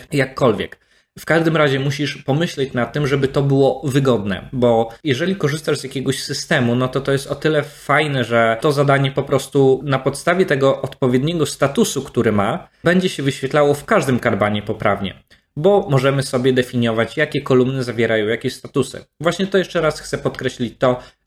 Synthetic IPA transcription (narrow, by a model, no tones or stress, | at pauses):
jakʰːɔlvʲjɛ̰k | fkaʐd̪ɘmɾaʑɛmuɕiʂpɔmɘɕlɛt͡ɕnat̪ːɘmʐɛbɘt̪ɔbɘwɔvɘɡɔd̪nɛ̰bɔjɛʐɛlʲikɔʐɘst̪aʐzjakʲɛɡɔɕsɘst̪ɛmunɔt̪ɔt̪ɔjɛst̪ɔt̪ɘlɛfajnɛʐɛt̪ɔzad̪aɲɛpɔpɾɔst̪unapɔt̪st̪avʲjɛt̪ɛɡɔʔɔt̪pɔvʲjɛd̪ɲɛɡɔst̪at̪usukt̪uɾɛmabɛɲd͡ʑɛɕɛvɘɕfʲjɛt̪lawɔfkaʐd̪ɘmkad̪baɲɛpɔpɾavɲɛ̰ | bɔmɔʐɛmɘsɔbʲjɛd̪ɛfʲiɲjɔvat͡ɕjakʲɛkɔlumnɘzavʲjɛɾajɔ̃w̃jakʲeɕst̪at̪usɘ̰vwaɕɲɛt̪ɔjɛʂt͡ʂɛɾasxt̪sɛpɔt̪kɾɛɕlʲit͡ɕt̪ɔ